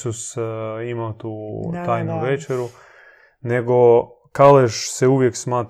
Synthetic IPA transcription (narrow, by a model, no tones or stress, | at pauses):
usimawt̪uːt̪aːjnuʋet͡ʃeɾu | neɡo | kaleʃseuʋjeksmaːt̪